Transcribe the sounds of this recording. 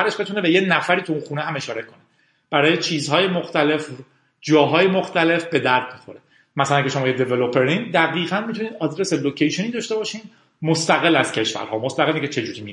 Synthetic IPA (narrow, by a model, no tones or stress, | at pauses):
æɾeʃbe̞t̪ʰune̞be̞jenæfæɾiːt̪ʰuunxuːneɦæme̞ʃɒːɾe̞kʰo̞ne | b̥æɾɒːjet͡ʃʰiːzhɒːjemoxt̪æle̞f | d͡ʒɒːɦɒːjemoxt̪æle̞fbe̞d̪æɾd̪̚mixo̞ɾe | mæsælæncʰeʃoɒːjed̪e̞velopʰeɾind̪æɣiːɣænmit̪ʰuniːd̪ɒːd̪ɾe̞selocʰejʃoniːd̪ɒːʃt̪e̞bɒːʃiːn | most̪æɣe̞lːæz̥cʰe̞ʃvæ̰ɾɦɒ̰ːmost̪æɣelːiŋcʰʲet͡ʃʰe̞d͡ʒuːɾiːmi